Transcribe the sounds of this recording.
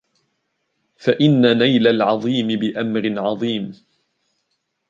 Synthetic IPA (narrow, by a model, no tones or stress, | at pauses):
faʔɪnːanajlalʕɑðˤiːmɪbɪʔamɾɪnʕɑðˤiːm